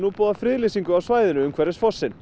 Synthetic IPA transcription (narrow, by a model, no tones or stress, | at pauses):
nupɔːðafɾɪːðlesiŋkʏawsvaːjðɪnʏʏmkʰvɛɾɪsfɔsːɪn